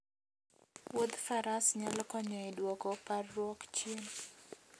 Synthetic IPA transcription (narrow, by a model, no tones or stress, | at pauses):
wod̪faɾasɲalkɔɲɔidwɔkɔparːwɔkt͡ʃjen